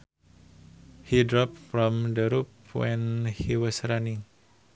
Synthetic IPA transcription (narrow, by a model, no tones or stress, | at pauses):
hidɾɔp̚fɹɔ̃mdəɾup̚wɛ̃nhiwɔsɾanɪ̃ŋ